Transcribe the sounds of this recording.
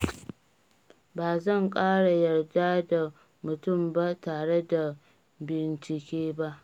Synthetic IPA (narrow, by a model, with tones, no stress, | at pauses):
baː˨zɐ˦˨ŋkʼaː˦ɽa˨jɐ˨rdaː˦da˨ | mʊ˨tʊ˦˨mba˦taː˨ɽe˦da˨ | bɪ˨nt͡ʃɪ˨kʲeː˦ba˦ʔ